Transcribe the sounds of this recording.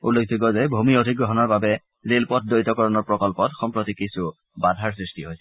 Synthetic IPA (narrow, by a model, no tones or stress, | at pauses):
ulok̚ʰdikɔzɛbʱumiodʱikɡɹɔɦɔnɔɹbabɛ | zelpɔt̚ʰdojtɔkɔɹɔnɔɹpɹɔkɔlpɔtxɔmpɹot̪ikisu | badʱaɹsɹistiɦoj